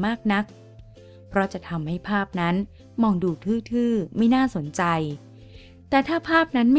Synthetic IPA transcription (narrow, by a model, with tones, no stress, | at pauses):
maː˥˩k̚na˦˥k̚ | pʰɾɔ˦˥t͡ɕa˨˩t̪ʰa˧mha˥˩jpʰaː˥˩p̚na˦˥n | mɔː˧ŋduː˧t̪ʰɯː˥˩t̪ʰɯː˥˩ma˥˩jnaː˥˩so˩˦nt͡ɕa˧j | t̪ɛː˨˩t̪ʰaː˥˩pʰaː˥˩p̚na˦˥nma˥˩